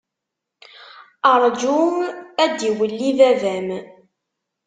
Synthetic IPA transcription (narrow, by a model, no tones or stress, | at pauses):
əɾˤd͡ʒuæd̪iwəlːiðævæm